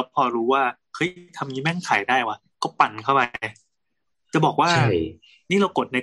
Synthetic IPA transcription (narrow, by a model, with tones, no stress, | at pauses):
pʰɔː˧ɾuː˦˥waː˥˩kʰɤː˦˥jt̪ʰa˧mŋi˦˥mɛ˥˩ŋkʰa˨˩˦jdaː˥˩jwa˦˥ | kɔː˥˩pa˨˩nkʰa˥˩wpa˧j | t͡ɕa˨˩bɔː˨˩k̚waː˥˩a˥˧˩ | niː˥˩ɾa˧wko˨˩t̪̚na˧